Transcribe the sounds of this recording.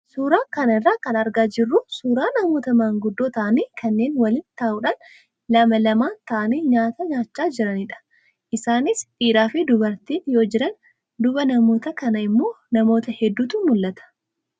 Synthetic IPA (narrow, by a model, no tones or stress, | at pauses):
suːɾaːkɐnɐɪrːaːkɐnɐɾɡaːd͡ʒɪrːʊsuːɾaːnɐmoːt̪ɐmɐŋɡʊd̪ːo̞ːt̪ɐʔɐniːkʰɐnːe̞ːnwɐlɪːnt̪aːʔʊᶑaːn | lɐmɐlɐmaːnt̪ɐʔɐniːɲaːt̪ɐɲaːt͡ʃːaːd͡ʒɪɾɐnɪᶑɐ̥ | ʔɪsaːnɪsᶑiːɾaːfɪd̪ʊbɐɾt̪iːnjo̞ːd͡ʒɪɾɐn | d̪ʊbɐnɐmo̞ːt̪ɐkɐnɐɪmːo̞ː | nɐmo̞ːt̪ɐhɛd̪ːuːt̪umʊlːɐt̪ɐ̥